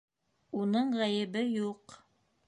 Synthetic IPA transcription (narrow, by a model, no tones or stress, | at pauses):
unɤɴʁæjɘ̆bɘjuq